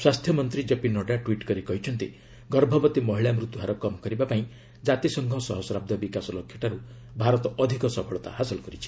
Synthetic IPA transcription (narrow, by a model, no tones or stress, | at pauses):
swast̪ʰjɔmɔnt̪ɾid͡ʒepinɔɖaʈwiʈkɔɾikɔɦit͡ʃʰɔnt̪i | ɡɔɾbʱɔbɔt̪imɔɦiɭamɾut̪uɦaɾɔkɔmɔkɔɾibapaĩ | d͡ʒat̪isɔŋɡʱɔsɔɦɔsɔɾab̚d̪ɔbikasɔlokʰjɔʈaɾu | bʱaɾɔt̪ɔɔd̪ʱikɔsɔbʰʱɔɭɔt̪a̰ɦasɔlɔkɔɾit͡ʃʰi̥